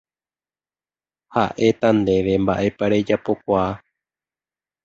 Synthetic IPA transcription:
haʔe̞t̪and̪e̞ʋe̞mbaʔe̞paɾe̞d͡ʒapo̞kʷaː

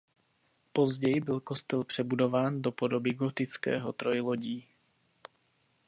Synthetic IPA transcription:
po̞zɟɛjbɪlkost̪ɛlpr̝̥ɛbudo̞vaːndo̞po̞do̞bɪɡo̞t̪ɪt͡skɛ̰ːɦo̞t̪ɾo̞jlo̞ɟiː

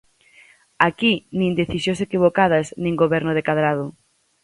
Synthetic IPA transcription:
akinĩnd̪eθisjõsekiβ̞okað̞ɐsnĩŋɡoβɛɾnʊðekaðɾaðʊ

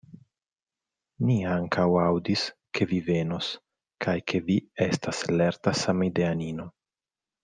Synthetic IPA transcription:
niaŋkʰawawdiskʰe̞vive̞no̞s | kʰajkʰe̞vie̞stasle̞ɾtasamide̞anino̞

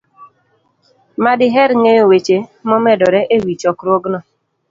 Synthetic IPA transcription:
madɪɦɛɾŋejowet͡ʃemɔmɛdɔɾɛʔewit͡ʃɔkɾoɡnɔ

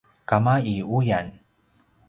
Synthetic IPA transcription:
kamaiujan

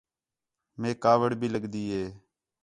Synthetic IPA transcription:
mẽːkaːʋəɽbʱiːləɡd̪iːɦeː

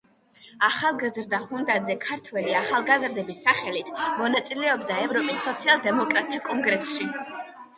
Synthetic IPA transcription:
aχalˠɡazɾd̪aχund̪ad̪zɛkʰaɾt̪ʰwɛliaχalˠɡazɾd̪ɛbisːaχɛlit̪ʰmɔnat̪sʼilɛɔbd̪aɛvɾɔpʼisːɔt̪sʰialˠd̪ɛmɔkʼɾat̪ʰːakʼɔŋɡɾɛsʃi

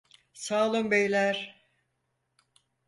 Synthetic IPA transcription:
saːlˠɯmbejlʲæɾ̥

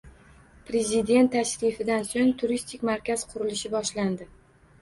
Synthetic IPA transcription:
pɾe̞zɪd̪e̞nt̪ʰːaʃɾifɪd̪ansoŋt̪ʰʊɾist̪ʰɪkʲmaɾkʲaz̥qʰʊɾɪlɪʃɪbɒʃland̪ɪ

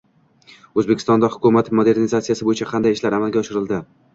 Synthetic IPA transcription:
ɵzbekʲɪ̥st̪ɒnd̪ahʊkʰʲʊmat̪mod̪e̞ɾnizat̪sijasɪbojɪt͡ʃʰaqʰɑnd̪ajɪʃlaɾamalˠɡʲaɒʃɪɾɪld̪ɪ

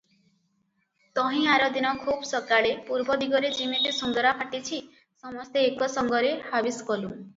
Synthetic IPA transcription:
t̪ɔɦĩaɾɔd̪inɔkʰubsɔkaɭepuɾbɔd̪iɡɔɾed͡ʒimit̪isund̪ɔɾapʰaʈit͡ʃʰi | sɔmɔst̪eːkɔsɔŋɡɔɾehabiskɔlu

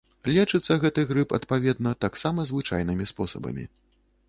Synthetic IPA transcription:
lʲɛt͡ʂɨt̪sːɐɣɛt̪ɨɣɾɨpɐ̰t̪pavʲɛd̪̚nɐt̪aksamɐzvɨt͡ʂa̰jn̪ɨmʲispɔsɐ̰bɐ̰mʲḭ

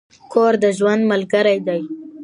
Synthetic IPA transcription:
kʰoɾd̪əʒwand̪malɡəɾajd̪aj

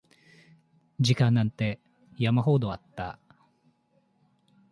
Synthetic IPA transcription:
d͡ʑikãnːãnt̪e̞ | jamaɦo̞ːd̪oat̪ːa̰

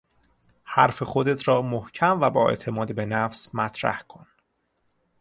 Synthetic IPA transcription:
hæɾfexod̪et̪ʰɾɒːmohcʰæmvæbɒːe̞̰t̪ʰe̞mɒːd̪be̞næfsmæt̪ʰɾæ̰hkʰon

